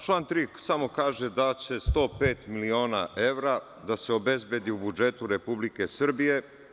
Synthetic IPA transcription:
t͡ʃlˠaːnt̪ɾiksamo̞kaːʒed̪at͡ɕe̞st̪o̞ːpe̞ːt̪milio̞ːna̰ʔe̞ʋɾa | d̪aseo̞be̞zbjed̪iubud͡ʒe̞t̪uɾepublike̞sr̩bije̞

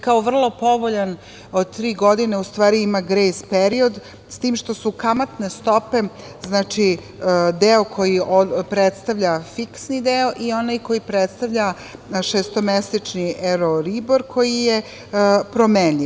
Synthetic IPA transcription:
kaoʋr̩lˠo̞po̞ʋo̞ʎan | od̪̚t̪ɾiːɡo̞d̪ineust̪ʋaːɾiimaɡɾejspeɾio̞d̪ | st̪iːmʃt̪o̞sukamat̪ne̞st̪o̞pe̞ | znaːt͡ʃi | d̪eokʰo̞jiopɾet̪st̪aʋʎafiksnid̪eo̞ʔio̞najko̞jipɾet̪st̪aʋʎa | ʃest̪o̞mesit͡ʃniʔeɾoɾiboɾkʰo̞jije | pɾomenʎi

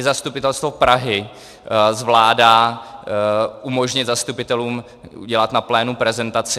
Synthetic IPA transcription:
ɪzast̪upɪt̪ɛlst̪vopɾaɦɪ | zvlaːdaː | ʔumo̞ʒɲɪt̪zast̪upɪt̪ɛluːm | ṵɟɛlat̪naplɛːnupɾɛzɛnt̪at͡sɪ

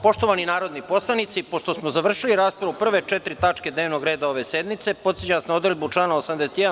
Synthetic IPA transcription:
po̞ʃt̪oʋaninaːɾo̞d̪nipo̞slˠanit̪sipo̞ʃt̪osmozaʋr̩ʃiliɾaːspɾaupr̩ʋe̞t͡ʃet̪ɾit̪at͡ʂke̞d̪neʋno̞ɡɾe̞ːd̪ao̞ʋe̞sed̪mit̪se̞po̞t̪set͡ɕasnaod̪elʲbut͡ʂlˠaːnaosamd̪eset̪jed̪a

